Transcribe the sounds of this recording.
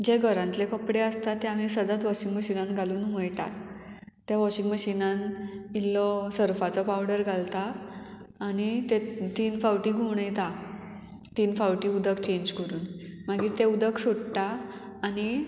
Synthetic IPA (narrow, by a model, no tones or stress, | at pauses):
d͡ʑeɡʱəɾãnt̪lekəpɽeəst̪at̪eam̤isəd̪at̪ʋɔɕĩŋɡməɕinanɡʱaluːnɦəjʈa̰t̪ː | jaʋɔɕiŋɡməɕinãnilːɔsəɾfat͡sɔpawɽəɾɡʱalt̪aː | ñit̪et̪iːnfawʈiːɡʱuɳ̃əjt̪a | t̪iːnfawʈiːud̪əkt͡ɕẽɲd͡ʑkəɾuːnmaɡiːt̪eud̪əksoɽt̪aː | ñi